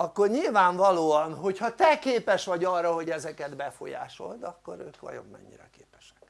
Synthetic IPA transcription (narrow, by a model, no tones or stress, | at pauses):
ɒkːo̞rɲilvaːɱvɒloːɒnɦo̞chɒt̪ɛkeːpɛʃʋɒɟɒrːɒɦoɟɛzɛkɛd̪bɛfo̞̰ja̰ːʃo̞̰lt̪ɒkːoɾøːkʋɒ̰jo̞̰mːɛ̰ɲːiɾɛ̰keːpɛ̥ʃɛ̥k